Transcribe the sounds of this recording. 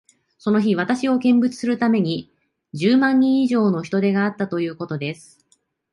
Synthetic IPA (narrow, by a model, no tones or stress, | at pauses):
so̞no̞çiβ̞at̪aɕio̞kẽ̞mbɯ̟t͡sɨ̥sɨɾɯ̟t̪ame̞ɲ̟i | d͡ʑɨːmãɲ̟ːĩɰ̃iʑo̞ːno̞çi̥t̪o̞d̪e̞ɡaːt̪ːat̪o̞jɯ̟ːko̞t̪o̞d̪e̞sɨ̥